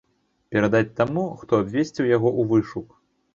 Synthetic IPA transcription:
pʲɛɾad̪at͡sʲt̪amuxt̪ɔabʲvʲesʲt͡sʲiwjaɣɔʔuvɨʂuk

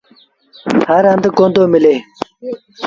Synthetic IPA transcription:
haɾand̪əkond̪oməle

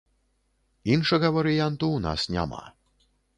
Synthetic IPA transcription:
inʃɐɣɐvɐɾɪjant̪una̰snʲa̰ma̰

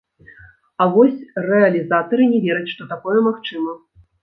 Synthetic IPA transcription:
ɐvɔsʲrɛɐlʲizat̪ɐɾɨnʲɛvʲɛɾɐt͡sʲʂt̪ɔt̪akɔjɛmaxt͡ʂɨmɐ

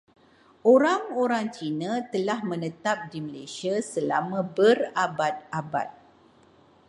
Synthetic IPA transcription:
ʔoɾaŋoɾaŋt͡ʃinə̃t̪əlahmə̃nət̪ap̚diməlesiasəla̰mãbərabat̪̚aba̰t̪̚

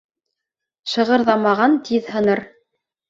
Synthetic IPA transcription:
ʃɤ̆ʁɤ̆ɾðɑmɑʁɑnt̪ʰiðhɤ̆nɤɾ

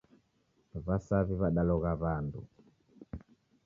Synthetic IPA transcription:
βasaβiβaɗalɔɣaβandṵ

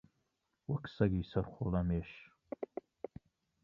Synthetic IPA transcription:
wɐksɐɡiːsɐɾχolɐmeːʃ

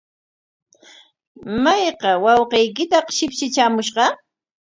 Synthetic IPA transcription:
majqɑwɑwqejkɪt̪ɑqʃɪpʃɪt͡ʃaːmʊʃɢɑ

